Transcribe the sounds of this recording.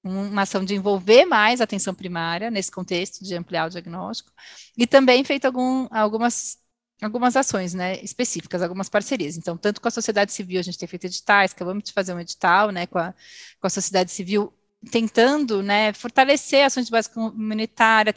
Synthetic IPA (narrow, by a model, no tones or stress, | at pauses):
ũmɐasɐ̃w̃d͡ʒɪẽvowveɾmajzat̪ẽsɐ̃w̃pɾimaɾjɐnesɪ̥kõnt̪est̪ʊ̥d͡ʒɪɐ̃mpliawd͡ʒiaɡnɔst͡ʃi̥kʊ̥ɪt̪ɐ̃mbẽj̃fejt̪ʊawɡũawɡũmɐs | awɡũmɐzasõj̃s̬nɛɪspesifi̥kɐzawɡũmɐspaɾseɾiɐz̬ẽnt̪ɐ̃w̃t̪ɐ̃nt̪ʊ̥kõɐsosied̪ad͡ʒɪsiviwaɐʒẽt͡ʃɪt̪ẽfejt̪ed͡ʒit̪ajskavɐ̃mʊst͡ʃɪ̥fazeɾũed͡ʒit̪awnɛkõɐ | kõɐsosied̪ad͡ʒɪsiviw | t̪ẽnt̪ɐ̃nd̪ʊnɛfoɾt̪aleseɾasõj̃zd͡ʒɪbazɪ̥komũnit̪aɾjɐ